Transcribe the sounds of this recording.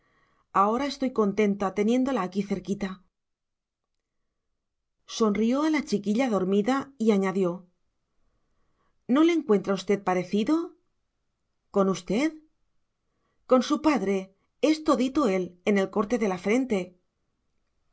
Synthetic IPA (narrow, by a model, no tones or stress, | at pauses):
ao̞ɾae̞st̪o̞jko̞nt̪e̞nt̪at̪e̞nje̞nd̪o̞laːkiθe̞ɾkit̪a | so̞nrio̞alat͡ʃikiʎaðo̞ɾmiðaiaɲaðjo̞ | no̞leŋkwe̞nt̪ɾaust̪e̞ð̚paɾe̞θiðo̞ | ko̞nust̪e̞ð | ko̞nsupaðɾe̞ | e̞st̪o̞ðit̪o̞e̞le̞ne̞lko̞ɾt̪e̞ðe̞lafɾe̞nt̪e̞